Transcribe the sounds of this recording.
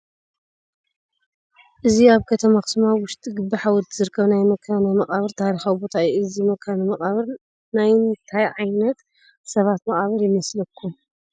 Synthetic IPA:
ʔɨziaβkʰɐt̪ʰɐmaxɨ̥smawʊʃt̪ʰʼiɡɨbːiħawɔlt̪ʰzɨɾɨkʰːɐβnajmɐkʰːanamɐχʼaβɨɾt̪ʰaɾixawbo̞t̪ʰaiɨzimɐkʰːanɨmɐχʼaβɨɾ | najnt̪ʰajʕajnɐt̪ | sɐβat̪mɐχʼaβɐɾjɪmɐslɐkʰːu

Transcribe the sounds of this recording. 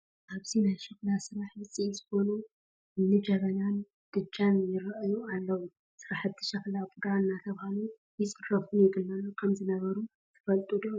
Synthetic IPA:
ʔaβzinajʃɨklasɨɾaħjɨt͡sʼiʔilzɨko̞nu | ɨnːɨd͡ʒɐβɐnan | d̪̥ɨt͡ʃʼːanjɪɾɐʔɐjualːɐwu | sɨɾaħbt̪ʰɨ̥ʃɐklabʼud̪aɨnːat̪ʰɐβhalu | jɪsɨrrɐbunjɪɡɨlːɐnukʰɐmzɨnɐβɐɾu | t̪ʰɨ̥fɐlt̪ʼud̪o

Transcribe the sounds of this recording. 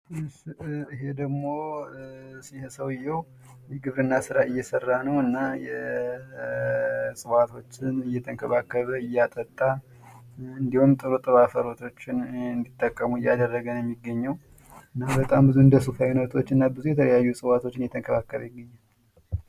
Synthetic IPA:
iɦe̞d̪əɡmo̞ | sihɛsəwɪjːɛw | jɛɡɨβɾɨnːasɨɾaɨjːɛsərːanəwɨnːajɛ | sʼɨwat̪ʰo̞t͡ʃːɪnɨjːɛt̪ʰəŋkʰəβakːəβəɨjːat̪ʼət̪ʼːa | ɨnd̪ihumt̪ʼɨɾut̪ʼɨɾafəɾo̞t̪ʰo̞t͡ʃːɪnɨnd̪it̪ʼːəkʼːəmuɨjːad̪ərːəɡənjɛmːiɡːəɲːəw | ɨnːabət̪ʼambɨzuɨnd̪əsufajunət̪ʰo̞t͡ʃːɨnːabɨzujɛt̪ʰələjajːusʼɨwat̪ʰo̞t͡ʃːɪnjɛt̪ʰəŋkʰəβakːəβəjɪɡːəɲːal

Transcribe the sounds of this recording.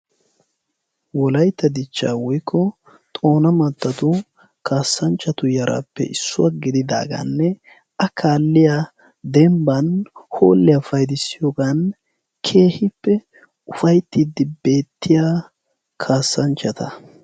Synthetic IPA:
wɔlɐjt̪ːɐd̪ɪt͡ʃːa̰ːwɔjkʰːɔ | t̪ʼo̞ːnɐmɐt̪ːɐt̪ʊ | kʰaːsːɐnt͡ʃːɐt̪ʊjɐɾʔa̰pːɛ̰ʔɪsːʊwaɡɪd̪ɪd̪a̰ːɡɐ̰nːɛ | ʔɐkʰaːlːɪja | d̪ɛmbɐnho̞̰ːlːɪjafɐjd̪ɪsːɪjoːɡaːn | kʰe̞ːhɪpːɛ | ʊfɐjt̪ːid̪ɪbe̞ːt̪ːɪjaː | kʰaːsːɐnt͡ʃːɐt̪ɐ

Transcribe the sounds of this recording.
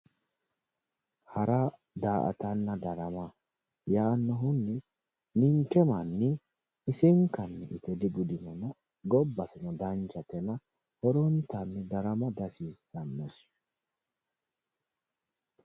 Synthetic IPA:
hɐɾɐ | d̪aːʔɐ̰t̪ɐnːɐd̪ɐɾɐmɐ | jaːnːɔɦʊnːɪ | nɪŋkɛmɐnːɪ | ɪsɪŋkɐnːɪʔɪt̪ɛd̪ɪɡʊd̪ɪnɔnɐ | ɡɔbːɐsɪnɔd̪ɐnt͡ʃɐt̪ɛnɐ | hɔɾɔnt̪ɐnːɪd̪ɐɾɐmɐd̪ɐsiːsːɐnːɛs

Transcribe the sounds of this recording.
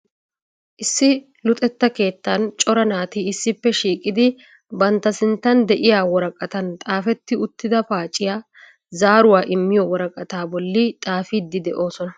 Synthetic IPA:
ʔɪsːɪ | lʊt̪ʼɛt̪ːɐke̞ːt̪ːɐnt͡ʃʼɔɾɐnaːt̪iɪsːɪpːɛʃiːkʼɪd̪ɪ | bɐnt̪ːɐsɪnt̪ːɐnd̪ɛʔɪjaːwɔɾɐkʼɐt̪ɐnt̪ʼaːfɛt̪ːɪʊt̪ːɪd̪ɐpaːt͡ʃʼɪjaː | zaːɾʊwaːʔɪmːɪjɔwɔɾɐkʼɐt̪aːbɔlːɪt̪ʼaːfiːd̪ːɪd̪ɛʔo̞ːsɔnɐ

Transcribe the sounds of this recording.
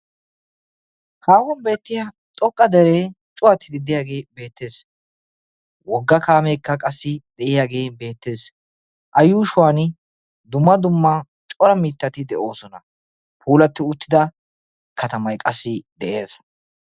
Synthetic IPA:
haːwɔnbe̞ːt̪ːɪjɐ | t̪ʼɔkʼːɐd̪ɛɾeː | t͡ʃʼʊwɐt̪ːɪd̪ɪd̪ɪjaːɡeːbe̞ːt̪ːe̞ːs | wɔɡːɐkaːmɛjkːɐkʼɐsːɪd̪ɛʔɪjaːɡeːbe̞ːt̪ːe̞ːs | ʔɐjuːʃʊwaːn | d̪ʊmːɐd̪ʊmːɐ | t͡ʃʼɔɾɐmiːt̪ːɐt̪ɪd̪ɛʔo̞ːsɔnɐ | pʰuːlɐt̪ːɪʊt̪ːɪd̪ɐ | kʰɐt̪ɐmɐjkʼɐsːɪd̪ɛʔe̞ːs

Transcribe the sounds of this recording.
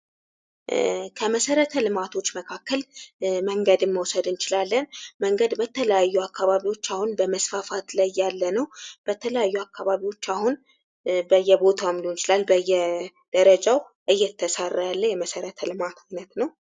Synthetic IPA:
kʰəməsəɾət̪ʰəlɨmat̪ʰo̞t͡ʃːməkʰakːəlməŋɡəd̪ɨnməwsəd̪ɨnt͡ʃɪlalːənməŋɡəd̪bət̪ʰələjajːuakːaβaβiwo̞t͡ʃːahunbəməsfafat̪lajːalːənəwb̥ət̪ʰələjajːuakːaβaβiwo̞t͡ʃːahun | bəjːɛbo̞t̪ʰawmd̪ont͡ʃɪlalbəjːɛ | d̪̥əɾəd͡ʒaw | ʔɨjːɛt̪ʰːəsarːajalːəjɛməsəɾət̪ʰəlɨmat̪ʰajnət̪nəw

